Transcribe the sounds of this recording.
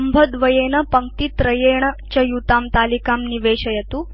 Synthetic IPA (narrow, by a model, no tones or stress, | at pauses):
ɐmbʱɐd̪ʋɐjenɐpɐŋk̚t̪it̪ɾɐjeɳɐt͡ɕɐjut̪aːmt̪aːlikamniʋeːɕɐjɐt̪uː